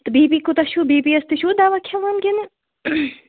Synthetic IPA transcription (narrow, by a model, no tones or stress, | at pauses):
t̪biːbikut̪ɐʃubiːbiɐst̪iʃud̪aʋakʰɐʋaːnɡʲene